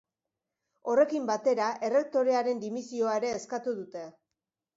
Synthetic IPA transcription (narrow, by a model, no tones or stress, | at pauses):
o̞re̞kimbat̪e̞ɾaʔe̞re̞k̚t̪o̞ɾe̞aɾe̞nd̪imisio̞aeɾe̞ːskat̪uðut̪e̞